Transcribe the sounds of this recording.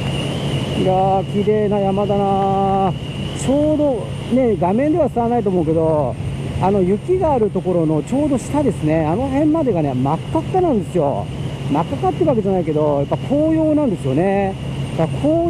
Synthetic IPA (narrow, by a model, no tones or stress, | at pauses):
ijakʲiɾeːnajamad̪ana | t͡ɕo̞ːd̪o̞ | ne̞ɡamẽ̞nd̪e̞βasɨanait̪oːmo̞ɯ̟ke̞d̪o̞ | ano̞jɯ̟kʲiɡaːɾɯ̟t̪o̞ko̞ɾo̞no̞t͡ɕo̞ːd̪o̞ɕi̥t̪ad̪e̞sɨne̞ano̞ɦẽ̞mːad̪e̞ɡane̞makːak̪ːanãnd̪e̞sɨjo̞̰makːakat̪ːeɾɯβake̞ʑanaike̞d̪o̞japːakʰo̞ːjo̞ːnãnd̪e̞sɨjone̞ | k̪akakʰoː